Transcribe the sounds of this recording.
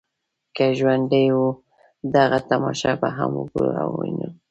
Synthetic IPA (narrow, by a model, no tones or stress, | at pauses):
kaʒwand̪əjwu | d̪aɣat̪amɑʃɑbaɦamuɡua̰wwinə